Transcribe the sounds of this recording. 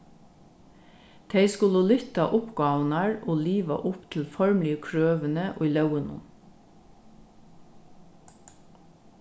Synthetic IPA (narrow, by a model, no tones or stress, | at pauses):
t̪ʰeɪskʉləlʏt̪ɑ̰ʔʊpɡɑːʋənæɹʔoːliːʋɑ̰ʔʊpt̪ʰl̩fɔɹmliəkʰɹøːʋənəʔo̰ːilɑʊənʊ̰m